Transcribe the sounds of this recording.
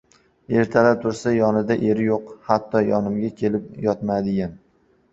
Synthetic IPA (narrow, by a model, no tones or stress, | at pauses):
e̞ɾt̪ʰalap̚t̪ʰʊɾsajɒnɪd̪aʔeɾɪjoqhat̪ʰːɒjɒnɪmɡʲakʲʰe̞lɪpjɒt̪mad̪ɪɡʲan